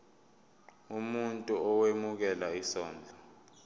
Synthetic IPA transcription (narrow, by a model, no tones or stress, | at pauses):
umuntʼuɔwemuk̬ɛlaisɔːnd͡ɮʱɔ